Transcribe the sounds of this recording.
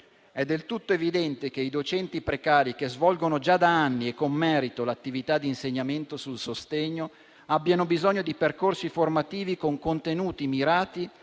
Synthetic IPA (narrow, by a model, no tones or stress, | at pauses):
ɛd̪ːelt̪ut̪ːoevid̪ɛnt̪ek̟eid̪ot͡ʃɛnt̪ipɾekaːɾik̟ezvɔlɡonod͡ʒad̪aanːiekːomːɛːɾit̪olat̪ːivit̪ad̪ːinseɲːament̪osulsost̪eɲːo | abːjanobizɔɲːod̪iperkorsiformat̪iːvikoŋkont̪enuːt̪imiɾaːt̪i